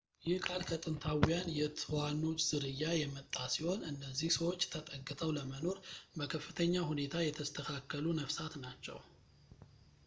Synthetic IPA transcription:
jɪhkʼalkʰət̪ʼɨnt̪ʰawjanjɛt̪ʰɨwanːo̞t͡ʃʼːz̥ɨɾɨjːajɛmət̪ʼːasiho̞nɨnːəzːihsəwo̞t͡ʃːt̪ʰət̪ʼəɡːɨt̪ʰəwləməno̞ɾbəkʰəfːɨt̪ʰəɲːahune̞t̪ʰajɛt̪ʰəst̪ʰəkʰakːəlunəfsat̪nat͡ʃːɛ̰w

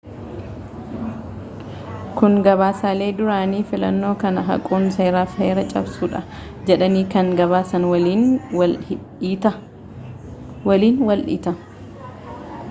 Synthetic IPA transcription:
kʊŋɡɐβaːsaːle̞ːd̪ʊɾaːniːfɪlɐnːo̞ːkɐnɐɦɐ̰kʼuːnseːɾaːfheːɾɐt͡ʃʼɐ̰bsuːᶑɐ | d͡ʒɛᶑɐniːkɐŋɡɐβaːsɐnwɐi | t̪ɐ | wɐliːnwɐlʔḭːt̪ɐ

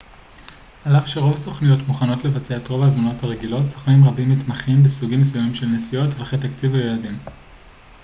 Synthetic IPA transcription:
alafʃeʁo̞vasoχnijo̞tmuχano̞tle̞vat͡seaetʁo̞vhazmano̞thaʁeɡilo̞tsoχnimʁabimːitmaχimbesuɡimːes̬ujamimʃe̞lnesijo̞tveaχetakt͡sivajeladim

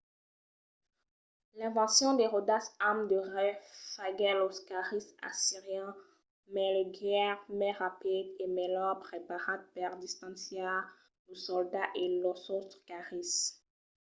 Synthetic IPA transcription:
lɛ̃vɑ̃sjɔ̃d̪eʁod̪asamd̪əʁɛfaɡɛloskaʁisa̰siʁjɛ̃ | mɛleɡɛʁmɛʁapid̪emɛlɔʁpχepaʁat̪̚paʁd̪ist̪ɑ̃sja | osɔld̪aʔelɔsɔskaʁis

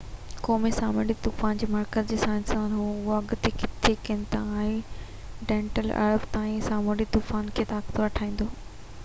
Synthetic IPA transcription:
koːmisaːmoɽit̪uːfaːnd͡ʑeːmaːɾkəzd͡ʑeːsãɪ̃nsaːnɦoʊɦoɐɡʊt̪ʰekɪt̪ʰekɪ̃nt̪ãaːɦe | ɖẽːɳʈəlɐ̰ɾbt̪aːĩsaːmoɽit̪uːfaːnkʰeːt̪aːkt̪ʰoʋɐʈʰaːĩːn̆d̪oː

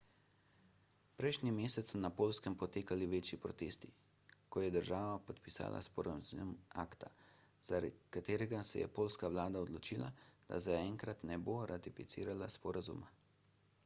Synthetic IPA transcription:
pɾɛjʃnimeːsɛt̪sːɔnapoːlskɛmpɔt̪eːkaliʋeːt͡ʃjipɾɔt̪eːst̪ikɔjɛd̪əɾʒaːʋapɔt̪pisa̰ːlʔa̰spɔɾazumakt̪a | z̥aɾkat̪eːɾɛɡasɛ̰jɛ̰poːlskaʋlaːd̪aɔd̪lɔt͡ʃila̰d̪̥a̰zaɛŋkɾat̪nɛboɾat̪ifit̪sḭːɾalaspɔɾazṵma

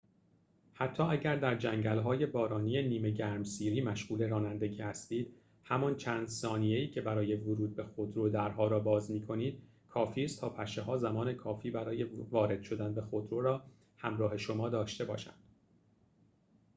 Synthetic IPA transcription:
hæt̪ʰːɒːæɟæɾd̪æɾd͡ʒæŋɟælɦɒːje̞bɒːɾɒːnije̞niːme̞ɟæɾmsiːɾiːmæʃɣuːle̞ɾɒːnænd̪e̞ɟiːhæst̪iːd̪̥ | hæmɒnt͡ʃʰæːnd̪sɒːnije̞iːcʰe̞bæɾɒːje̞voɾuːd̪̚be̞xod̪ɾod̪æɾɦɒːɾɒːbɒːzmiːkʰo̞niːd̪̥̚ | kʰɒːfiːst̪ʰɒːpʰæʃeɦɒːzæmɒːne̞kʰɒːfiːbæɾɒːje̞vɒːɾe̞d̪̥ʃo̞d̪ænbe̞xod̪ɾoːɾɒː | hæmɾɒːhe̞ʃo̞mɒːd̪ɒːʃt̪e̞bɒ̰ːʃæ̰nd̪̥

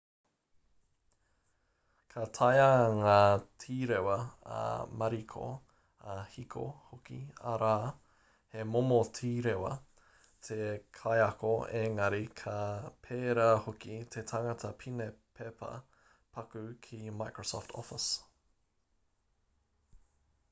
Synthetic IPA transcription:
kʰɐt̪ʰɐjɐŋaːtʰiːɾewɐɐ̰mɐɾikʰo̰ | ɐhikʰo̰hokḭɐ̰ɾaː | hemomotʰiːɾewɐ̰ | tʰekʰɐjɐkoeŋɐɾikʰɐpʰeːɾahokit̪ʰet̪ʰaŋɐtʰɐpʰinepʰepʰɐ̰ | pʰɐkʉkʰimajkɹosɔ̰ːftʰɔ̰fɪs

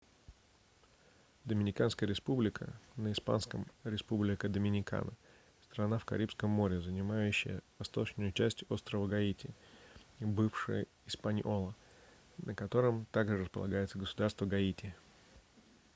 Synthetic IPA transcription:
d̪əmʲɪnʲɪkanskəjəɾʲɪspublʲɪkʰə̰nəɪspa̰nskəmɾʲɪspublʲɪkəd̪əmʲɪnʲɪka̰nə | st̪ɾɐnafkɐ̰ɾʲipskəmːo̞ɾʲɪzənʲɪmajʉɕːɪ̰jə̰vɐst̪o̞t͡ɕnʊjʊt͡ɕæsʲtʲo̞st̪ɾəvəɡɐitʲɪ | bɨfʂɨ̰jə̰ | ɪspanʲʔolˠə | nəkɐt̪o̞ɾəmt̪aɡʐɨɾəspəlˠɐ̰ɡajɪt̪səɡəsʊd̪arst̪vəɡɐitʲɪ

